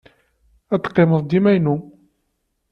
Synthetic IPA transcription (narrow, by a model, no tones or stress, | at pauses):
æt̪ːqːeməðˤd̪imæjnu